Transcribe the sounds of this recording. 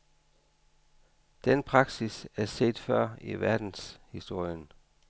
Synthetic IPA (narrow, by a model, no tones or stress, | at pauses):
d̥enpʰʁɑ̈ɡ̥sisæɐse̝̰ːd̥fɶɐ̰iʋæɐd̥n̩shisd̥o̝ɐ̰jən